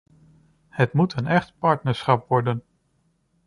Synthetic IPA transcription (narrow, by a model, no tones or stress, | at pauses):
hətmutənɛχtpɑɹtnəɹsχɑpʋɔɹdən